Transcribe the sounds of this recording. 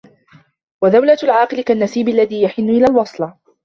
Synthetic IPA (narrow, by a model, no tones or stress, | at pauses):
waðawlalʕɑːqɨlɪkanːasiːbalːaðiːjaħɪnːʊʔɪlaːlwɑsˤl